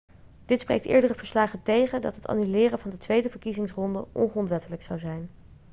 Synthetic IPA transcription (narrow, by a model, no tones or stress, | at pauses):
d̥ɪtsprḛjk̚tʔɪ̰ːɹdərəvəɹslaːχətejχədɑ̰tɦəta̰ːnylɪːrənvɑndətʋejdəvəɹkizɪŋsrɔndəʔɔ̰nχrɔntʋɛtələksɑwzɛjn